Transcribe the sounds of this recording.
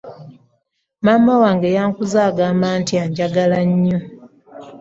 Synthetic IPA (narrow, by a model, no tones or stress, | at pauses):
maːmːawaːŋɡejaːŋkuzaːɡaːmbaːntiaɲɟaɡalaɲːo